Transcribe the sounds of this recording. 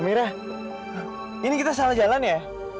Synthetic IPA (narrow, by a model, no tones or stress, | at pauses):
miɾa | inikit̪as̬alad͡ʒalanja